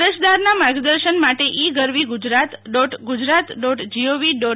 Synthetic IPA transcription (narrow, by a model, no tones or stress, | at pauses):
ɾət͡ʃd̪aɾnamaɾɡd̪əɾʃənmaʈeʔiɡəɾʋiɡʊd͡ʒɾat̪ɖɔʈɡʊd͡ʒɾat̪ɖɔʈd͡ʒioʋiɖɔ